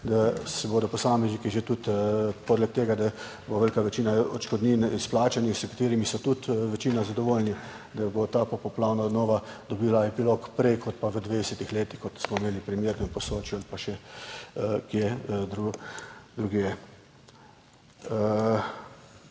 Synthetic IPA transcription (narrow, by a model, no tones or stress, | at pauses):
d̪asɛbod̪ɔpɔsaːmɛznikiʒet̪ut̪pɔd̪lɛk̚t̪eːɡad̪a | boʋɛlkaʋɛt͡ʃiːnaɔ̰t͡ʃkɔd̪niːnisplaːt͡ʃanixsəkḁt̪eːɾimisɔt̪ut̪ʋɛt͡ʃiːnazad̪ɔʋoːlni | d̪abot̪aːpɔpɔplaːwnad̪nɔːʋad̪ɔbiːlaɛpilokpɾɛkʰɔt̪̚paʋəd̪ʋeːd̪ɛsɛt̪ixleːt̪ixkɔt̪smɔimeːlipɾimjeːɾnɔpɔsoːt͡ʃjualipaʃɛ | kjed̪ɾud̪ɾuɡje